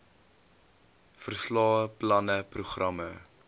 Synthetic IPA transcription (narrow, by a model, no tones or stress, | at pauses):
fərslɑːəplɐnəpruχrɐmə